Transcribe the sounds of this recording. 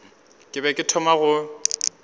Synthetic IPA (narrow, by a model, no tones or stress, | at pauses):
kʼɪbɛkʼɪtʰɔmaɣʊ